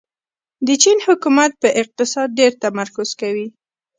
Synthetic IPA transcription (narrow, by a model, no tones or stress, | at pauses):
d̪ət͡ʃinhʊkumat̪̚pəʔɪq̚t̪ɪsɑd̪̚ɖeɾt̪amaɾkʊz̥kawi